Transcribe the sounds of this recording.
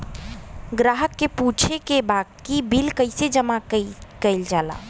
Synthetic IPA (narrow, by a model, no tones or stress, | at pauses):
ɡɾaɦəkːeput͡ʃʰekebakibilkəɪsed͡ʒəmakəjld͡ʒala̰